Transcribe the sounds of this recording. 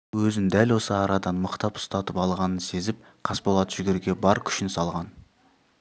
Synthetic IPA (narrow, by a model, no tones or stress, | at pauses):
wɵzɪnd̪ælwo̞səɑɾɑd̪ɑnməqt̪ɑpʊ̥st̪ɑt̪əpɑlˠʁɑnənse̞zɪp̚ | qʰɑspolˠɑt̪ʒ̥ʏɡʲɪɾɡʲe̞bɑɾkʲʰʏ̥ʃɪnsɑlˠʁɑn